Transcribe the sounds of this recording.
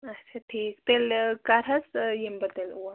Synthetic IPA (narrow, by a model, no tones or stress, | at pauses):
ɐtːt͡ʃʰaʈʰiːkt̪elkaɾɐsjembɐd̪eluwa